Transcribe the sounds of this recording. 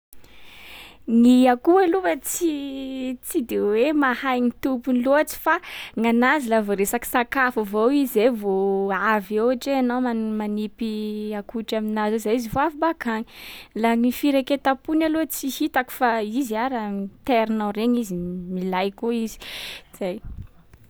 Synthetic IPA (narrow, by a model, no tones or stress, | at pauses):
ŋiakualuwat͡si | t͡sid̪ewemahajŋit̪upuniloat͡si̥faŋanazilavoɾesaki̥sakafuvowizevoavewaʈ͡ʂeanomamanipiakuʈ͡ʂaminazozajizivoafibakaŋilaŋifiɾeket̪apunalot͡sihit̪aku̥faiziaɾəit̪eɾinawreɲizimilajkoizi̥z̥aj